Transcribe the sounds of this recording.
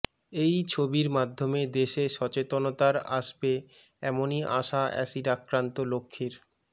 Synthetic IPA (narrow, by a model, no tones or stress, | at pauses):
ejt͡ɕʰobiɾmad̪ʱːomed̪eʃeʃɔt͡ɕet̪onot̪aɾa̰ʃbe | ɛmoniʔaʃaɛ̰siɾakɾant̪olokʰːiɾ